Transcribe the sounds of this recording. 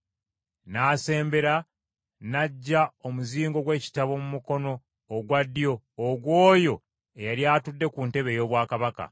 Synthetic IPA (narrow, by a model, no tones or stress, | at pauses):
naːse̞ːmbe̞ɾa | naɟːaomuziːŋɡo̞ɡwe̞ːci̥taβo̞mumuko̞no̞ː | ɡwadːijo̞ː | ɡwo̞ːjo̞ | ejaljaːtudːe̞kunte̞βe̞jo̞ːβwaːkaβaka̰